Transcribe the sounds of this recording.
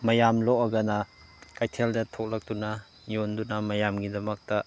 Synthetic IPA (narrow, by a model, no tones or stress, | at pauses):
mɐjamloʔɐɡɐnɐkajtʰeldɐtʰok̚lɐk̚tunɐ | jondunɐmɐjamɡidɐmɐk̚tɐ